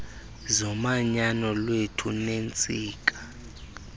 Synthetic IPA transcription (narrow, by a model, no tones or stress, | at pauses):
zɔmaɲanɔlwetʰunent͡sʼiːkʼḁ